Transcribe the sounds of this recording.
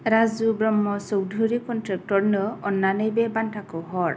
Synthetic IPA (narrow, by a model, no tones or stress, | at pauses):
ɾazubɹɔmːɔsɔwdʱuɹikɔntɾɛk̚tɔɹnɯɔnːanejbɛbantʰakɔɦɔɹ